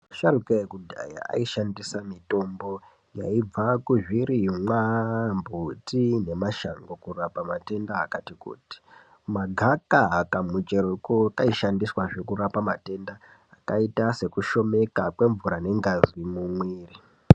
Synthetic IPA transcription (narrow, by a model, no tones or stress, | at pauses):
ʃaɾukajekudʱa̰ja̰a̰iʃandisamito̞mbo̞ | ja̰ib͡vakuʒwiɾimwambʱutine̞maʃa̰ŋɡokurapamate̞ndaːkatikṵːti̥ | maɡʱakaakamut͡ʃeɾukokaiʃandiswaʐe̞kuɾapamate̞ndaː | kaitase̞kuʃo̞me̞kakwe̞ɱvuɾane̞ŋɡazwimumweːri